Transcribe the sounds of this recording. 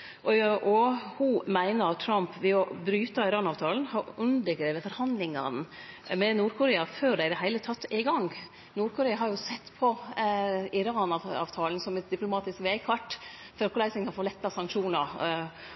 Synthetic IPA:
ʔɔʔɔhʊmæɪnəɾɑt̪ʰːɾɑmpʋɛɔbɾyːt̪ɑɪɾɑːnɑːʋt̪ʰɑːln̩hɑɾʉnd̪ɪɡɾeʋəfɔɾhɑnd̪lɪŋɑ̰nmɛnuːɾkʰʊɾeːɑføːɖæɪd̪ɛɦæɪlət̪ʰɑt̪ːɪɡɑŋ | nuːɾkʰʊɾeːɑhɑɾjʊsɛt̪ːpʰɔ | ɪɾɑːnɑɑ̰ːʋt̪ʰɑːlnsɔmɛt̪̚d̪ɪplʊmɑːt̪ɪskʋeɪkʰɑʈː | fɔɾɑkʊlæɪsɪŋkʰɑnfoːlɛt̪ːɑsɑŋkʃuːnɑɾ

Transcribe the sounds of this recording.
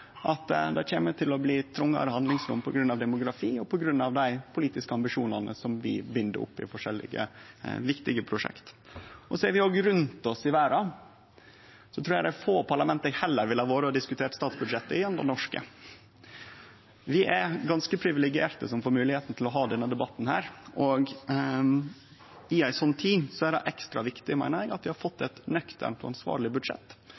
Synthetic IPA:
ʔɑt̪d̪æçeːmət̪ʰɪlɔbliːt̪ʰɾʊŋːɑ̰ɾəhɑnd̪lɪŋsɾʊmːpʰɔɡɾʉnːɑʋd̪ɛmʊɡɾɑfiːɔpʰɔɡɾʉnːɑʋd̪æɪpʰʊliːt̪ɪskəɑmbɪʂuːnɑnə̰sɔmʋɪ̰bʏnd̪ə̰ʔʊ̰pːɪ̰fɔʂɛlːɪ̰ɡə̰ʋɪkt̪ɪɡəpʰɾʊʂɛ̰kt̪ʔɔsɔɛɾʋɪoːɡɾʉnt̪ɔsɪʋæːɾɑ | sɔt̪ʰɾuːɾjæɪd̪æfoːpʰɑɭɑmɛnt̪əhɛlːəɾʋɪlhɑːʋoːɾəɑd̪ɪskʉt̪ʰeːʈst̪ɑːt̪sbʉd̪ʂɛt̪ːəɪjɛmd̪ə̰nɔʂkə̰ | ʋɪʔæɾɡɑnskəpʰɾɪʋɪlɛɡɪeːɾt̪əsɔmfoːɾmʉːlɪheːt̪n̩t̪ʰɪlɔɦɑːd̪ɛnːəd̪ɛbɑt̪ːn̩hæːɾʔɔɡ | ɪæɪsɔnːt̪ʰiːsɔæɾɛʔɛkst̪ɾɑʋɪkt̪ɪmæ̰ɪnəŋɑt̪ʋɪhɑɾfɔt̪ːɛt̪nœkt̪ʰə̰ɳt̪ɔ̰ɑ̰nsʋɑ̰ːɾɭɪbʉd̪ʂɛ̰t̪ː

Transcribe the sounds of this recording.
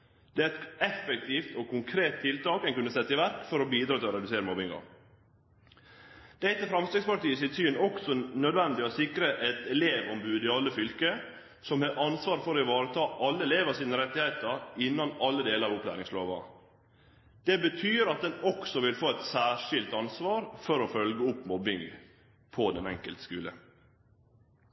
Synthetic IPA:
d̪̥ɛæːɾɛt̪ɛfək̚t̪ʰiːft̪ʰɔkʰʊŋkʰɾeːt̪̚ʰːɪlt̪ɑːkɛnŋkʉnːəsɛt̪ːəɪʋæɾkfɔɾɔbiːd̪ɾɑːt̪ʰɪlɔɾɛd̪ʉseːɾəmɔbɪŋɑ̰ɾ | d̪̥ɛɪt̪əfɾɑmst̪ɾɛɡspɑʈiːsɪsyːnɔksɔnœd̪ʋɛnd̪ɪɔsɪkɾəʔɛt̪ɛleːʋɔmbʉːd̪ɪɑlːəfʏlkə | sɔmhɑɾʔɑnsʋɑːɾfɔɾɪʋɑːɾət̪ʰɑːʔɑlːəɛleːʋəsiːnəɾɛt̪ːɪheɪt̪əɾɪnːɑnɑlːəd̪eːləɾɑʋɔplæ̰ːɾɪŋslo̰ːʋɑ̰ | d̪̥ɛbət̪ʰyːɾɑt̪̚d̪ɛnɔksɔʋɪlfoːɛt̪sæːʂɪlt̪ɑnsʋɑːɾfɔɾɔfœlɡəʊpːmɔbɪŋ | pʰɔd̪ɛnɛ̰ŋkəlt̪skʉːlə̰

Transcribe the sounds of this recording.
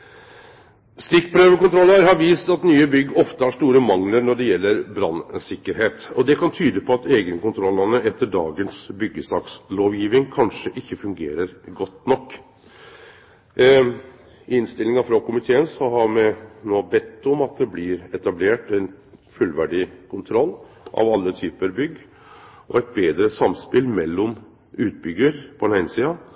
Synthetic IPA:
st̪ɪkpʰɾøːʋəkʊnt̪ɾɔlːəɾɦɑɾʋiːst̪ɑt̪nyːəbʏɡːɔft̪əhɑʂt̪uːɾəmɑŋləɾnɔɖɛjɛlːəɾbɾɑnsɪkːəɾheːt̪ɔd̪ɛkʰɑnt̪ʰyːd̪əpʰɔɑt̪ʰeːɡənkʊnt̪ʰɾɔlːɑnəɛt̪ːəɖɑːɡənsbʏɡːəsɑːksloːʋjiːʋɪŋkʰɑnʂəʔɪçːəfʉŋɡeːɾəɾɡɔt̪ːnɔkː | ɪnst̪ɪlɪŋɑfɾɑkʊmɪt̪ʰeːənsɔhɑɾmɛnoːbɛt̪ːɔmɑt̪̚d̪ɛblɪɾɛt̪ɑbleːʈɛɪnfʉlːʋæɖɪkʰʊnt̪ʰɾɔlː | ʔɑ̰ʋɑlːət̪ʰyːpəɾbʏɡː | ʔɔ̰ɛɪt̪̚beːd̪ɾəsɑmspɪlmɛlːɔm | ʉːt̪̚bʏɡːəɾpʰɔd̪ɛnhæɪnsiːɑ

